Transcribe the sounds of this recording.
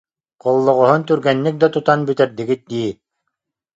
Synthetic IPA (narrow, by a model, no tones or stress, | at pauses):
qolˠːŏʁŏɦunt̪ʉɾɡænːɘk̚d̪at̪ut̪ɑnbɵt̪æɾd̪ɘ̆ɡɘt̪̚d̪i